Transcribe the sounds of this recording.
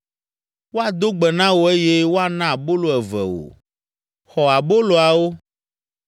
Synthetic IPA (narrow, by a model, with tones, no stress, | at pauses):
wo˦a˨d̪o˦ɡ͡bɛ˨nã˦wo˦e˦je˦wo˦a˨nã˦a˨bo˦lo˨ɛ˨vɛ̰˨wo̰˨ | xɔ˨a˨bo˦lo˨a˨wo˦